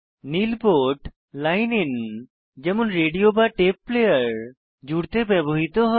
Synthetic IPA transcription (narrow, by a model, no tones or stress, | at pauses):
nilpoʈ | lajnin | d͡ʑɛmonɾeɖiobaʈepːlejaɾ | d͡ʑuɽt̪ebɛboɦit̪oɦɔ